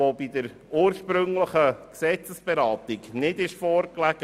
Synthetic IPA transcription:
obidəɾ | uːɾʃpɾɵŋləχəksɛt͡səsb̥ɛɾɑːt̪ɪɡnɪdɪʃfɔːɾklæɡ̥ə

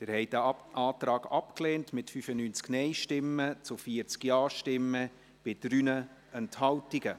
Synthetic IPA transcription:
tɪɾhɛɪdəʔɑːtrɑːɡɑpkleːntmɪtfyfənyːnt͡sknɛɪʃtɪmːət͡sʊfiəɾt͡skjɑːʃtɪmːə | b̥ɪd̥ɾyːnə | ɛnthɑltiɡə

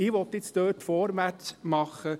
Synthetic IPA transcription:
ɪːʋɔt̪ːɪt͡st̪øːtfɔːɾmæt͡smɑχə

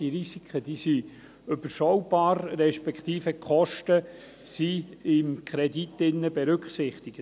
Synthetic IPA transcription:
iɾisikχəd̥̪isi | ʏb̥əɾʃɔwbɑːɾːɛʃpɛkχt̪iːfəkχɔʃtə | siɪmkʰɾɛditːɪnːəbɛɾʏkχsɪχt̪iɡ̥ə

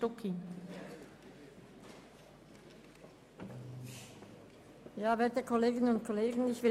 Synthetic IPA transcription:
tokʰːɪnt | jaːveːɐtəkʰɔleːɡɪnənʊnt̚kʰɔleːɡən̩ɪçv̥ɪ

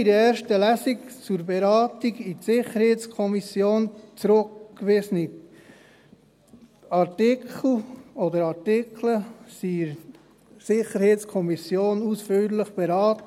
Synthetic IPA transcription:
iɾəɛːɾʃtəlæsikt͡suɾbɛɾɑːtiɡitsɪχəɾhet͡skʰɔmisjoːnt͡sɾʊkːʋɪsəni | ɑɾtɪkʰl̩ɔdəɾɑɾtɪkʰləsi | sɪχəɾheːtt͡skʰɔmisjoːnusfyːɾləχb̥ɛɾɑːtə

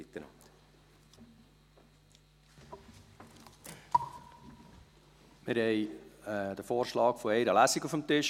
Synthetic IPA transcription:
ɪt̪ːənɑ̰nt̪ | mɪɾhɛɪ | d̥̪əfoːɾʃlɑːkfɔɛɪɾəlæsiɡufəmt̪ɪʃ

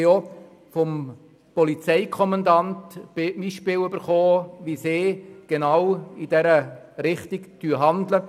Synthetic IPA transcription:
jo | fɔm | pɔlit͡sɛɪkʰɔmɑndɑntb̥ɪmiʃpɪːlybəɾχoːʋiseːɡ̥enawid̥ɛɾə | ɾɪχtɪkd̥yːɦɑndlə

